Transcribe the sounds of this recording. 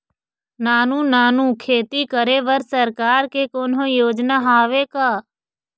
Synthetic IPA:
naːnũːnaːnũːkʰeːt̪ikəɾeʋəɾsəɾkaːɾkekoːnɦõjoːd͡ʒnaɦaːʋeːkaː

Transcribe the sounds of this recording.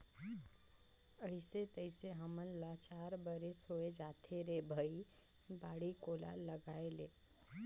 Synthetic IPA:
əɪset̪əɪseɦəmənlat͡ʃaːɾbəɾesoːed͡ʒaːt̪ʰeɾebʱəi | baːɽikoːla̰ləɡaːeleː

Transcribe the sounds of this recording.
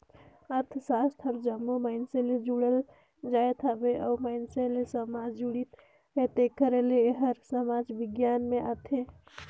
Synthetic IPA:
əɾt̪ʰsast̪ʰəbd͡ʒəmːomaɪnseled͡ʒuɽəl | d͡ʒaet̪ʰabeʔɔːmaɪnselesəmad͡ʒd͡ʒuɽit̪ | ɦet̪ekəɾeleɦəɾsəmad͡ʒbiɡjanmeʔat̪ʰe

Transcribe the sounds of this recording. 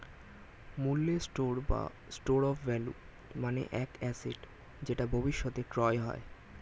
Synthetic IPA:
mulːesʈoɾba̰ | sʈoɾɔfːɛlṵ | manḛʔɛkɛseɖ | d͡ʑeʈabʱobiʃːot̪ekɾɔeɦɔ̰e

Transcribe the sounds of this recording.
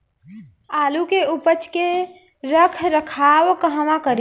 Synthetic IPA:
aːlukeupət͡ʃke | ɾəkʰɾəkʰaːwkəɦəmãkəɾ

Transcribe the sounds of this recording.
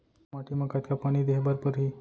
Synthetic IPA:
maʈiməkat̪kapaɽ̃iːd̪eɦbaɾpəɾɦi

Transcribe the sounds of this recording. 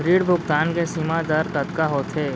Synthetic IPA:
ɾiːɽbʱʊk̚t̪aːnkesimad̪ɐɾk̪ɐt̪kaɦoːt̪ʰeː

